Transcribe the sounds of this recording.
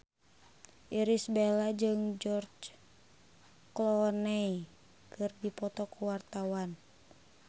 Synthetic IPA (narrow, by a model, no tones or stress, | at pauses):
ʔiɾisbelad͡ʒɨŋd͡ʒɔrd͡ʒ | klɔnɛi | kɨrdipɔt̪ɔkuwart̪awan